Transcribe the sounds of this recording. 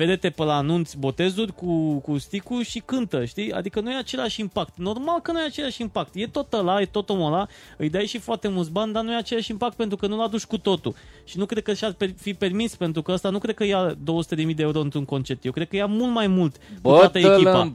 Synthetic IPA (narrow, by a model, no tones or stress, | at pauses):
ve̞d̪e̞t̪e̞pəlaːnunt̪sʲbo̞t̪e̞zurʲkukust̪ikuʃikɨnt̪əʃt̪ia̰d̪ikənujeat͡ʃe̞laʃimpakt̪no̞rmalkənujeat͡ʃe̞laʃʲimpakt̪je̞t̪o̞t̪əlajet̪o̞t̪o̞mola | ɨjd̪ajʃifoart̪e̞mult̪s̬banʲd̪anujeat͡ʃe̞laʃimpak̚t̪̚pent̪ɾukənulad̪ut͡ʃʲkut̪o̞t̪ṵʃinukɾe̞d̪̚kəʃarpefipe̞rmispe̞nt̪ɾukəəst̪anukɾe̞d̪̚kəjad̪o̞əsu̥t̪e̞d̪e̞mijd̪eeuɾo̞ɨnt̪ɾuŋko̞nt͡ʃe̞p̚t̪jewkɾe̥kəjamult̪majmult̪kbuəat̪əekipa